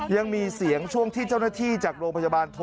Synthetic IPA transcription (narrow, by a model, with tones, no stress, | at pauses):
ja˧ŋmiː˧si˨˩˦əŋt͡ɕʰu˥˩əŋt̪ʰiː˥˩t͡ɕa˥˩wnaː˥˩t̪ʰiː˥˩t͡ɕaː˨˩k̚ɾoː˧mpʰa˧jaː˧baː˧nt̪ʰo˧